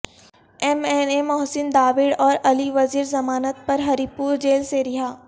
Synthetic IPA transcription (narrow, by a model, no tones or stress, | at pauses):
ɛmɛnemɔɦsɪnd̪aːʋɪɽɔːɾɐliʋɐziːɾzɐmaːnət̪̚pɐɾɦɐɾipuːɾd͡ʒeːlseɾɪɦaː